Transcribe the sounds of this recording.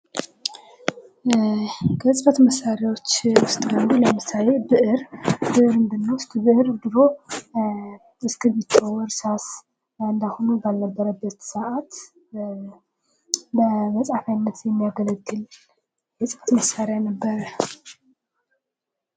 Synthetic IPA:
kʰəsʼɨfət̪məsːaɾjawo̞t͡ʃːwʊst̪ʼɡənd̪uləmɨsale̞bɨʔɨɾbɨʔɾɨnd̪ɨnːawʊst̪ʼbɨʔɾbɨɾo̞ | ɨskɨbit͡ʃʰːawɔɾsas | ɨnd̪ahonubalnəbːəɾəbːət̪səʔat̪ | bəməsʼafajnːət̪jɛmːijaɡələɡɨl | jɛsʼɨfə̥t̪məsːaɾejanəbːəɾə

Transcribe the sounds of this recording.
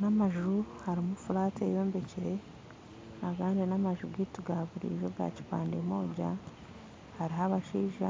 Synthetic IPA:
namaʒuhaɾimufuɾaːtejo̞ːmbe̞ciɾe̞ | akaːndinamaʒuɡituɡaβuɾḭːʒo̞ɡa̰ːci̥paːndemo̞ːɟa̰ | haɾiɦaβaʃiːʒa̰

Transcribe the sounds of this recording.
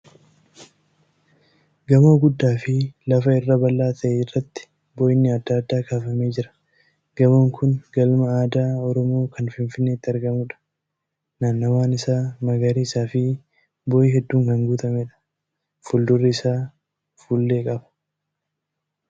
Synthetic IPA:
ɡɐmoːɡʊd̪ːaːfɪlɐfɐɪrːɐbɐlːaːt̪ʰɐʔeːɪrːɐt̪ːɪ̥ | boːjɪnːɪɐd̪ːaːd̪ːaːkaːfɐmeːd͡ʒɪɾɐ̥ | ɡ̥ɐmoːŋkʰʊnɡɐlmɐaːd̪aːɔɾɔmo̞ːkʰɐnfɪnfɪnːeːt̪ːɪɐɾɡɐmʊᶑɐ̥ | naːnːɐwaːnɪsaːmɐɡɐɾiːɪsaːfɪ | boːjɪɦɛd̪ːuːŋkɐŋɡuːt̪ɐmɛᶑɐ̥ | fuːld̪ʊrːɪɪsaː | fuːlːe̞ːkʼɐbɐ̥

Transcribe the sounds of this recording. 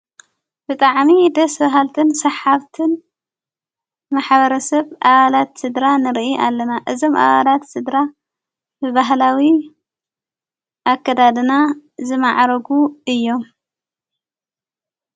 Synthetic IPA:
b̥ɨt̪ʼaʕmid̪ɐsbaɦalt̪ʰɨnsɐħaβt̪ʰɨn | maħβɐɾɐsɐβʔaβalat̪sɨd̪ɾanɨɾʔiʔa̰lːɐnaʔɨzo̞mʔa̰βalat̪sɨd̪ɾa | bɨbaɦlawi | ʔakʰːɐd̪ad̪ɨnazɨmaʕɾɐɡuɨjːo̞m

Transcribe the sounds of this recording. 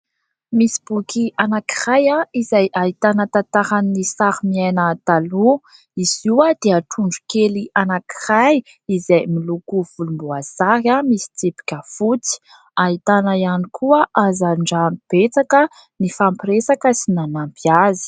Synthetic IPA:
misi̥b̥ukiʔanaki̥rajaizajʔait̪anət̪at̪aɾanːisaɾimiajnat̪alu | iz̥iwad̪̥eaʈ͡ʂuɳɖ͡ʐu̥keliʔanaki̥raj | izajmilukuv̥ulumbuazaɾjamisi̥t͡sipi̥kʲəfut͡si̥ | ait̪anaijanikʰuəʔazaɳɖ͡ʐamib̥et͡sakə | nifampiɾesakəsinanampiazi̥

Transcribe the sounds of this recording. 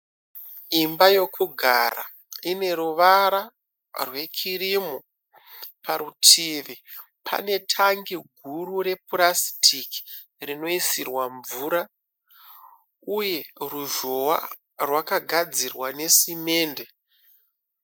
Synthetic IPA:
imbajo̞kʰuɡʱa̰ɾa̰ | ine̞ɾuʋaɾa | rwe̞kʰiɾimo | paɾutʰiʋi | pʰa̰ne̞tʰaŋɡiɡʱuɾuɾe̞puɾasi̥tʰiki̥ | rino̞isirwaɱvuːɾa | uje̞ruʒo̞wa̰ | rwakaɡʱad͡zirwane̞sime̞ːnde̞

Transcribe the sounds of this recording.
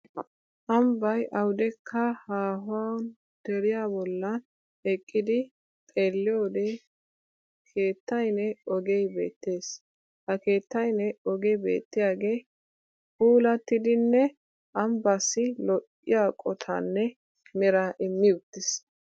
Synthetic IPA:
ʔɐmbɐjʔɐwd̪ɛkʰːɐhaːɦʊan | d̪̥ɛɾɪjaːbɔlːɐn | ɛkʼːɪd̪ɪ | t̪ʼeːlːɪjoːd̪ɛ | kʰe̞ːt̪ːɐjnɛɔɡɛjbe̞̰ːt̪ːe̞ːs | hɐke̞ːt̪ːɐjnɛɔɡɛjbe̞̰ːt̪ːɪjaːɡe̞ː | kuːlɐt̪ːɪd̪ɪnːɛ | ʔɐmbɐsːɪlɔʔ | ɪ̰jaːkʼɔt̪ʰɐ̰nːɛ | mɛɾaʔɪmːɪʊt̪ːɪs

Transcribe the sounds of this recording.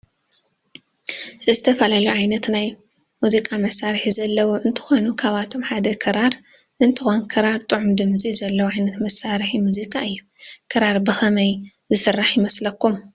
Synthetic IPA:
ɨzɨt̪ʰɐfɐlaluʕajnɐt̪naj | muzikʼamɐsaɾħizɐlːɐwuʔɨnt̪ʰɨ̥xo̞nukʰaβat̪ʰo̞mħad̪ɐkʰɐɾaɾʔɨnt̪ʰɨxo̞nkʰɐɾaɾt̪ʼɨʕumd̪ɨmzizɐlːɐwʕajnɐt̪mɐsaɾħimuzikʼaʔɨjːu | kʰɐɾaɾbɨxɐmɐj | zɨsɨrːaħjɪmɐslɐkʰːum

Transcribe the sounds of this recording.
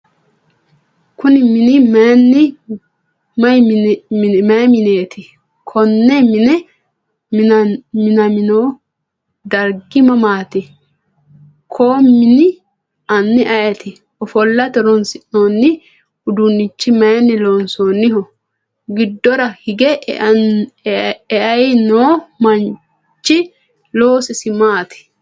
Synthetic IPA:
kʊnɪmɪnɪmɐnːɪ | mɐj | mɐjmɪneːt̪ɪ | kʰɔnːɛmɪnɛ | mɪnɐmɪnoː | d̪ɐɾɡɪmɐmaːt̪ɪ | kʰoːmɪnɪ | ɐnːɪʔɐjɐt̪ɪ | ɔfɔlːɐt̪ɛɾɔnsɪnoːnːɪ | ʊd̪unːɪt͡ʃːɪmɐjɐnːɪloːnsoːnːɪɦɔ | ɡɪd̪ːɔɾɐhɪɡɛ | ɛʔɐjnoːmɐn | t͡ʃːɪ | loːsɪsɪmaːt̪ɪ̥

